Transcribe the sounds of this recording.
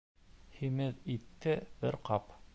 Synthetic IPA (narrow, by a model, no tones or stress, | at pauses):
himɘðit̪ːɘbɘɾqɑp